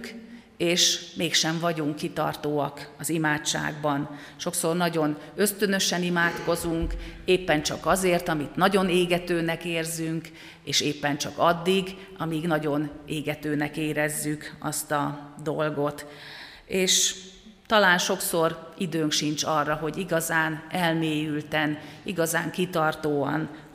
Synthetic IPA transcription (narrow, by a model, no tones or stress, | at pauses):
k | eːʃmeːkʃɛɱvɒɟuŋkːit̪ɒ̰rt̪oːɒkɒzimaːt͡ʃːa̰ːɡbɒn | ʃo̞kso̞rnɒɟo̞nø̞st̪ø̞nø̞ʃɛnimaːt̪ko̞zuŋkeːpːɛnt͡ʃɒkɒzeːrt̪ɒmit̪nɒɟo̞neːɡɛt̪øːnɛkeːrzyŋk | eːʃeːpːɛnt͡ʃɒkɒd̪ːiɡ | ɒmiɡnɒɟo̞neːɡɛt̪øːnɛkeːɾɛzːykɒst̪ɒd̪olɡo̞t̪ | eːʃ | t̪ɒlaːnʃo̞kso̞rid̪øːŋkʃint͡ʃɒrːɒɦo̞ɟiɡɒzaːnɛlmeːjylt̪ɛniɡɒzaːŋkit̪ɒrt̪oːɒ̰n